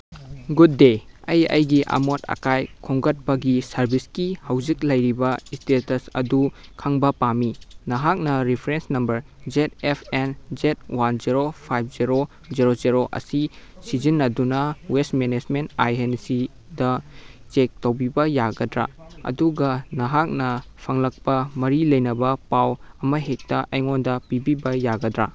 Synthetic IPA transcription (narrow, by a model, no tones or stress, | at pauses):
ɡud̚ːeɐjɐ̰jɡiʔɐ̰motɐ̰kajkʰoŋɡɐt̚pɐɡisɐɾbiskihɐwzik̚lɐjɾibɐistetɐsɐ̰dukʰaŋbɐpaminɐɦak̚nɐɾipʰɾensnɐmbɐɾ | d͡ʒet̚epʰend͡ʒet̚wand͡ʒiɾopʰajp̚ʰziɾo | ziɾoziɾoʔɐ̰sisizinːɐdunɐwestmenesmentajensi | dɐt͡ʃek̚tɐwbibɐjaɡɐdɾa̰ɐ̰duɡɐnɐɦak̚nɐpʰɐŋlɐk̚pɐmɐɾilɐjnɐbɐpawɐmɐɦek̚tɐʔɐjŋondɐpibibɐjaɡɐdɾa